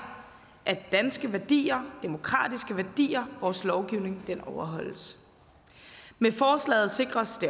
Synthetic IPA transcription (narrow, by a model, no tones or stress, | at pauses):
ʔæd̥ænsɡ̥əʋæɐd̥ḭːɐd̥e̝mo̝kʰʁɑ̰̈ːd̥isɡ̥əʋæɐd̥ḭːɐʋɒːslɒʊɡ̥iʊne̝ŋd̥enɒʊɐɦɒ̽l̰əs | mefɒːslɛ̰ːð̩ˠse̝ɡ̥ʁɐsd̥e̝